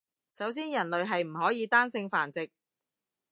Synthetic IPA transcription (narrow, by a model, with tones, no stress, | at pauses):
sɐ˨˥ws̬iː˥njɐ˨˩nlɵ˨ɥɦɐ˨jm̩˨˩ɦɔː˨˥jiː˨˧t̪aː˥nsɪ˧ŋfaː˨˩nt͡sɪ˨k̚